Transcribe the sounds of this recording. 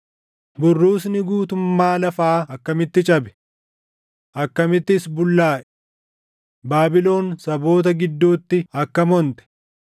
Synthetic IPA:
bʊrːuːs̬nɪɡuːt̪ʊmːaːlɐfaːɐkːɐmɪt̪ːɪt͡ʃʼɐbɛ̥ | ʔɐkːɐmɪt̪ːɪsbʊlːaːʔɛ | baːbɪlo̞ːnsɐbo̞ːt̪ɐɡɪd̪ːuːt̪ːɪɐkːɐmɔnt̪ɛ̥

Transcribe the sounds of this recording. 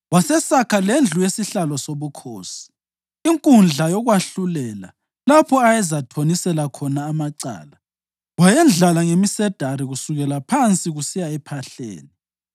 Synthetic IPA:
wasɛsakʰalend͡ɮʱujesiɬalɔsoβukʰoːsi̥ | iŋkʼund͡ɮʱajɔɣwaɬulɛla | lapʰɔajɛzatʰonisɛlakʰɔnaːmaǀa̰ːla | wajɛnd͡ɮʱalaŋemisɛd̥ʱaɾiɣusuɣɛlapʰant͡sʼiɣusijaɛpʰaɬḛːni

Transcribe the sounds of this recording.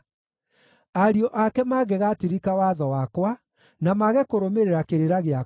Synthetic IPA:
aɾiɔʔakɛmaɣɛɣatiɾikawaðɔwakwa | namaɣɛkoɾomeɾeɾakeɾeɾaɣea

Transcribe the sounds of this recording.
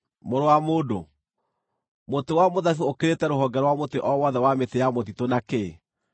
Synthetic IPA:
moɾowamoːdo | motowamoðaθookeɾetɛɾoɦɔɡɛɾwamoteʔɔwɔðɛwametejamotitonake

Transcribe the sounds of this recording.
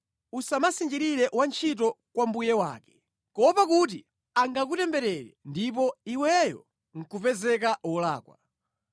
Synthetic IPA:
usamasind͡ʒiɾiɾɛʔwant͡ʃʰit̬ɔ | kwambujɛwaːkɛ̥ | kɔpakut̬i | aŋɡak̬utɛmbɛɾɛɾɛndip̬ɔiwɛjɔ̰ | ŋ̩kupɛzɛkaɔlaːkwa̰

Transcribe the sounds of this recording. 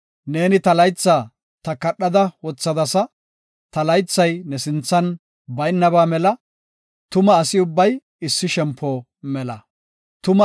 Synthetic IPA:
ne̞ːnɪt̪ɐlɐjt͡sːaː | t̪ɐkɐɗːɐd̪ɐwɔt͡sːɐd̪ɐsɐ | t̪ɐlɐjt͡sːɐjnɛsɪnt͡sːɐn | bɐjnːɐβaːmɛlɐ | t̪ʊmɐːsɪʊbːɐj | ɪsːɪʃɛmpʰːɔ | mɛlɐ | t̪ʊmɐ

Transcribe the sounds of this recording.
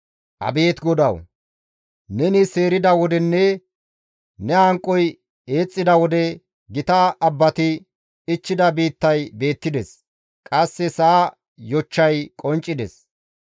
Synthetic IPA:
ʔɐ̰be̞ːt̪ɡɔd̪ɐw | nɛnɪseːɾɪd̪ɐwɔd̪ɛnːɛ | nɛɐŋkʼːɔj | e̞ːt͡sʼːɪd̪ɐwɔd̪ɛ | ɡɪt̪ɐɐbːɐt̪ɪ | ɪt͡ʃːɪd̪ɐbiːt̪ːɐjbe̞ːt̪ːɪd̪ɛs | kʼɐsːɛsaː | jɔt͡ʃːɐjkʼɔnt͡ʃʼːɪd̪ɛs

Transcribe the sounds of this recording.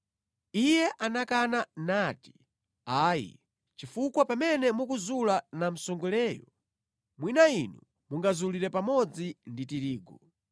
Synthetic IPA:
ijɛʔanakananaːti̥ | aːjḭ | t͡ʃifukwapamɛnɛmukuzulanam̩sɔŋɡulɛːjɔ̰ | mwinainu | muŋɡazuliɾɛpamɔd͡zinditiɾiːɡɔ

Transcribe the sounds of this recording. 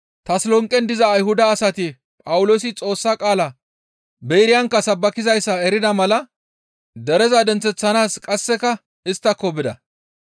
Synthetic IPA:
t̪ɐslɔŋkʼːɛnd̪ɪzɐːjɦʊd̪ɐːsɐt̪ɪ | pʼɐwʊlo̞ːsɪt͡sʼo̞ːsːɐkʼaːlɐ | bejɾɪjɐŋkːɐsɐbːɐkɪzɐjsːɐɛɾɪd̪ɐmɐlɐ | d̪ɛɾɛzɐd̪ɛnt͡sːɛt͡sːɐnaːskʼɐsːɛkɐ | ɪst̪ːɐkːɔbɪd̪ɐ̰

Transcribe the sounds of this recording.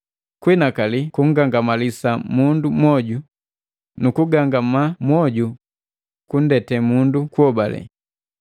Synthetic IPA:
kwinakalikuŋ̩ɡaŋɡamalisamundumwɔɟu | nukuɡaŋɡamamwɔɟu | kundɛtɛmundukuɔbalɛ̰

